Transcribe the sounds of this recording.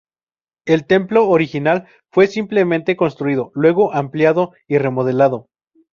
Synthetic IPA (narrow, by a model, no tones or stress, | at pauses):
e̞lt̪e̞mplo̞ːɾixinal | fwe̞simple̞mẽnt̪e̞ko̞nst̪ɾuiðo̞lwe̞ɣo̞ʔampljaðo̞ | ire̞mo̞ð̞e̞laðo̞